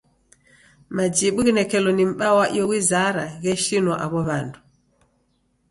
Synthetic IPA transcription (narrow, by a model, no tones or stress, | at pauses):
mad͡ʒiɓuɣinɛkɛlɔnim̩ɓawaʔḭɔɣwizaɾaɣɛʃinwaʔaβɔβandu